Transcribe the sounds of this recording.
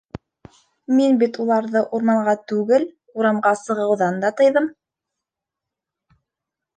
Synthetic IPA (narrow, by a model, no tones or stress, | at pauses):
minbit̪ulˠɑɾðɤʔuɾmɑɴɢɑt̪ʉɡɘl | uɾɑmʁɑsɤ̆ʁɤ̆wðɑnd̪ɑt̪ɤ̆jðɤm